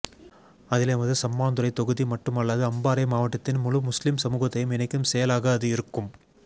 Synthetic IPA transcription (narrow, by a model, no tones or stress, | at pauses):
ɐðɪleʋɐðd̪ɯsɐmːaːnd̪ɯɾɐɪt̪ɔɣɯðimɐʈːɯmɐɭːɐðɯɐmbaːɾɐɪmaːʋɐʈːɐt̪ːɪnmʊlɯmʊslɪmsɐmuːɣɐt̪ːɐjɯmɛnɐɪkːɯmsɛjɐlaːɣɐːðɯɪɾɯkːɯm